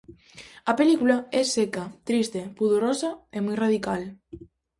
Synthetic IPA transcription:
ɐpelikulaɛsekat̪ɾist̪epuðoɾosɐemɔjraðikal

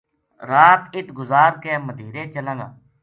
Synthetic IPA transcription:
ɾaːt̪ɪt̪ɡʊzaːɾkeːməd̪ʱiːɾeːt͡ʃəlãːɡa̰ː

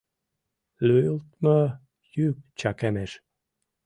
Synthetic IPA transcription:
løjult̪mɤ | jyk̚t͡ɕɑkæmæʃ

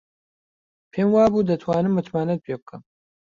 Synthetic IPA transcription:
pʰeːmwaːbuːd̪ɐt̪ʰwaːnɨmːɨt̪maːnɐt̪̚pʰeːbɨkʰɨm

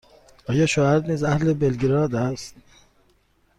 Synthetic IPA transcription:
ɒːjɒːʃoæɾniːzæhlebelɡeɾɒːd̪æst̪̚

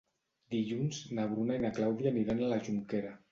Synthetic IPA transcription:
d̪iʎunznaβ̞ɾunainaklawðjaniɾanalaʒuŋkeɾa

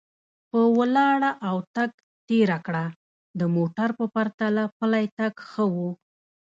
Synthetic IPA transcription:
pəwəlɑɽaʔawt̪aɡ̚ | t̪eɾakɽa | d̪əmoʈaɾpəpaɾt̪alapəlajt̪aɡxəwu

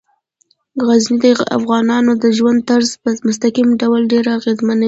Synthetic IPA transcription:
ɣaznid̪əa̰fɣɑnɑnod̪əʒwand̪̚t̪aɾzpəmʊst̪aqimɖawlɖeɾaːɣezmana

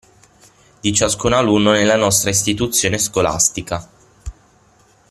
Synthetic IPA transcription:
d̪̥it͡ʃaskunalunːonelːanɔst̪ɾaist̪it̪ut̪sːjoːneskola̰st̪ika

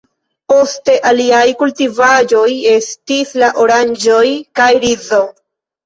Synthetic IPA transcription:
po̞ste̞ʔaliajkultivad͡ʒo̞je̞stislaʔo̞ɾand͡ʒo̞jkajɾizo̞

